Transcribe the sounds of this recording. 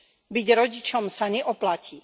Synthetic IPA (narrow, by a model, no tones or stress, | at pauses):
biɟɾɔɟit͡ʃɔmsaɲɛʔɔplaciː